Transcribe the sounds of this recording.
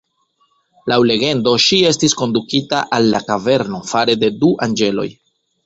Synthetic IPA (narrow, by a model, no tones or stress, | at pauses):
lawle̞ɡe̞ndo̞ʃie̞stisko̞ndukitaʔalːakave̞ɾno̞faɾe̞de̞duʔand͡ʒe̞lo̞̰j